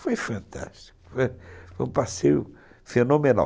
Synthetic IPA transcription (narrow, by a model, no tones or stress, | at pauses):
fojfɐ̃nt̪a̰ʃti̥kʊ̥fojfojũpasejʊ̰ | fenomena̰